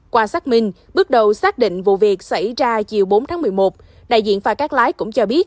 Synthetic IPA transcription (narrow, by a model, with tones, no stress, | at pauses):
kwaː˧saː˦˥k̚mï˧ŋ̟ | ɓɨ˦˥ək̚ɗə˨˩wsaː˦˥k̚ɗḭ˧˨ŋ̟vṵ˧˨vi˨˩ək̚sa˧˩jzaː˧t͡ɕi˨˩əwɓo˨˦nt̪ʰaː˨˦m˨˩əjmo˨˩t̚ | ɗa̰ː˧˨jzḭ˧˨ənfaː˨˩kaː˦˥k̚laː˨˦jkʊ̰˧˥ŋ͡mt͡ɕɔ˧ɓi˦˥ət̚